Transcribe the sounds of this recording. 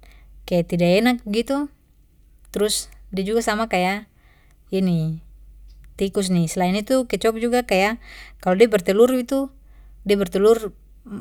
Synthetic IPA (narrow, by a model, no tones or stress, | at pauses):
kajat̪idaɛnak̚bɡit̪u | t̪ɾusdiad͡ʒuɡasamakaja | ini | t̪ikus̬nisɛlainit̪ukɛt͡ʃɔp̚d͡ʒuɡakajakalɔdiabɛrt̪ɛlurbit̪u | diabɛrt̪ɛlur